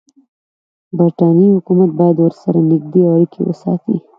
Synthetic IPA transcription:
baɾʈɑnihʊkumat̪̚bɑjad̪wəɾsaɾanɪɡ̚d̪eawaɽikʰḛwə̰sɑ̰t̪ḭ

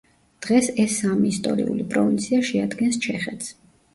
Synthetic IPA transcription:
d̪̥ʁɛsɛsːamiːst̪ʼɔɾḭulipʼɾɔvint̪sʰiaʃɛad̪ɡɛnst͡ʃʰɛχɛt̪s

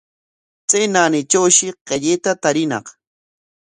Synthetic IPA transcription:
t͡senanɪt͡ʃawʃɪqeʎet̪at̪aɾɪnɑ̰q

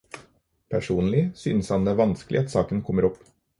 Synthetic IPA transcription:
pʰæʂuːnlɪsy̰ːnəshɑnd̪eːʋɑnskəlɪ̰ɑt̪sɑːkənkʰɔmːəɾɔpː

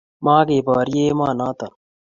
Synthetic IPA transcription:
mãːkeːbaːɾieːmaːnaːt̪ɐ

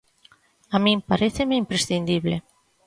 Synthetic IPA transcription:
amimpaɾeθemeimpɾesθind̪iβle

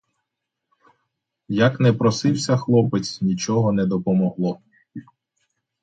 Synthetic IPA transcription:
jɐkn̪ɛpɾɔsɪwsʲɐxlˠɔpɪt͡s̪ʲnʲit͡ʃɔɦɔnɛd̪ɔpɔmɔɦlˠɔ

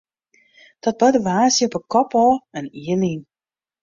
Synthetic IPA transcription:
d̥ɔt̚bɔdəʋaːsjəpəkɔpɔlˠɛniənin

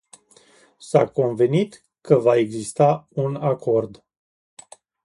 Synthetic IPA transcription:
sa̰ko̞nve̞nit̪ | kəvae̞ɡzist̪aunakʰo̞rd̪

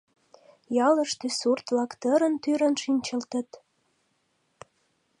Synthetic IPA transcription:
jɑlə̆ʃt̪øsurt̪βlɑkt̪əɾənt̪yɾənʃinʲt͡ɕəlt̪ə̆t̪

